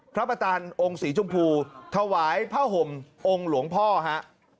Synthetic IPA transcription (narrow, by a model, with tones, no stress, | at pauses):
pʰɾa˦˥pɾa˧t͡ɕaː˧nʔo˧ŋsiː˩˦t͡ɕʰu˧mpʰuː˧t̪ʰa˧waː˩˦jpʰaː˥˩ɦo˨˩mʔo˧ŋlu˨˩˦əŋpʰɔː˥˩ɦa˦˥ʔ